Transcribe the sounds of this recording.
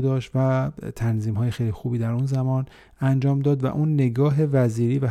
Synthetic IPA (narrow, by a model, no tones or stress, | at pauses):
d̪ɒːʃt̪væt̪ʰænziːmɦɒːjexejlixubiːd̪æɾunzæmɒːn | ænd͡ʒɒːmd̪ɒːd̪væ̰ʔuːnːe̞ɡɒːɦe̞væziːɾiːvæ